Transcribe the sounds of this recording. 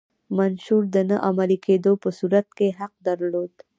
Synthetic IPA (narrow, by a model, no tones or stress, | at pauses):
manʃuɾd̪ənaʔamaliked̪opəsuɾat̪̚keɦɐq̚d̪ɐɾloːd̪